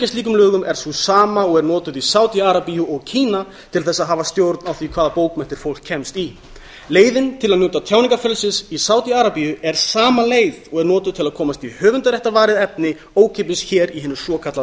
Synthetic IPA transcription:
cɛst̪liːkʏmlœːɣʏmɛɾ̥θusaːmaɔɣɛɾnɔːt̪ʏðisaːwt̪iaɾapijuɔɣcʰiːna | t̪ʰɪlθɛsːaðɦaːvast̪jowɾt̪nawθikʰvaːðapoːwkmɛn̥t̪ɪɾ̥fowl̥kʰːɛmst̪i | leːjðɪnt̪ʰɪlaðnjoːwt̪at̪ʰjawniŋkafɛlsɪsisaːwt̪iaɾapijʏɛɾ̥saːmaleːjðɔɣɛɾnɔːt̪ʏðt̪ʰɪlaðkʰɔːmast̪ihœːvʏnt̪aɾjɛht̪avaːɾɪðɛp̚nɪ | oːwcʰep̬ɪsçɛːɾiɦɪnʏsɔːkʰat̪la

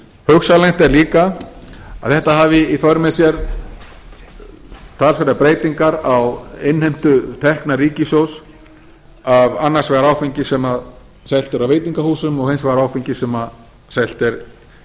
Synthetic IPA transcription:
hœxsalɛjn̥t̪ɛɾliːka | a̰ðθɛht̪aɦaːvɪiθœɾmɛðsjɛɾ | t̪ʰaːlsfɪɾapɾeːjt̪iŋkaɾawɪnhɛjm̥t̪ʏt̪ʰɛhknaɾiːcɪsjows | avanːaɾ̥svɛɣaɾaːwfiɲcɪsɛmað | sɛl̥t̪ɛɾawvejt̪niŋkahuːsʏmɔɣhejnsvɛɣaɾaːwfiɲcɪsɛmað | sɛl̥t̪ɛɾ

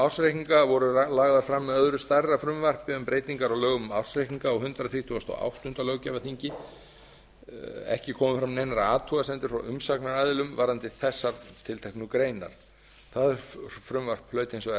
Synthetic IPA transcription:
awr̥sɾekiŋkavɔɾʏlaːɣðaɾfɾamːɛðœðɾʏst̪arːafɾʏmvar̥pɪʏmpɾeːjt̪iŋkaɾawlœːɣʏmawr̥sɾejhkiŋkaɔwɦʏnt̪ɾaθɾiht̪ʰuɔst̪ɔ̰a̰wht̪ʏnt̪alœːwcɛvaθiɲcɪ | ɛ̰hcɪkʰɔːmʏfɾamnejnaɾaaːt̪ʰuɣasɛnt̪ɪɾ̥fɾa̰wʔʏmsaknaɾaðɪlʏmvaɾant̪ɪθɛsːaɾt̪ʰɪlt̪ʰɛhknʏkɾeːjna̰ɾ̥ | θaðʏfɾʏmvar̥plœːɥt̪ɪnsva

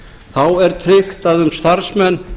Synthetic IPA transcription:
θawɛɾt̪ʰɾɪxt̪aðʏmst̪aɾsmɛn

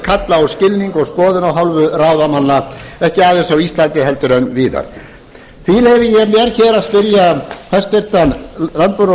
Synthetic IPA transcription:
kʰat̪laɔscɪlniŋkɔɣskɔːðɪnawɦawlvʏrawðamanːaɛhcɪaːðɪsawist̪lant̪ɪɦɛlt̪ʏɾœnviːða̰ɾ̥ | θilɛvɪjɛmjɛɾ̥çɛːɾaðspɪɾjafʰast̪ɪr̥t̪anlant̪̚pœɾ

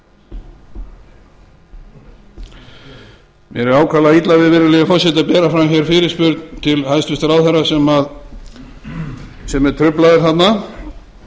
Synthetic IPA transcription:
mjɛ̰ɾɛɾaːwkʰalaðit̪lavɪðvɪɾɪlɛɣɪfɔsɛt̪apɛːɾafɾamçɛɾfɪːɾɪ̥spʏɾt̪nt̪ʰɪlhajst̪ʏst̪aɾawθɛrːasɛmað | sɛmɛɾ̥t̪ʰɾʏplaðɪɾ̥θat̪na

